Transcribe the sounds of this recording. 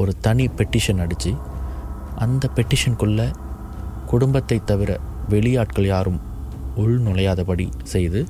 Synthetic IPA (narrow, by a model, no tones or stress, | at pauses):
ɔɾɯt̪ɐɳipɛʈːɪʂɐnɐɽɯt͡ʃːɯ | ʔɐnd̪ɐpɛʈːɪʂɐnkɯɭːɐ | kʊɽʊmbɐt̪ːɐɪt̪ːɐʋɪɾɐʋɛɭɪjaːʈkɐɭjaːɾɯm | ʊɭnʊlɐjaːðɐpɐɽisɛjðɯ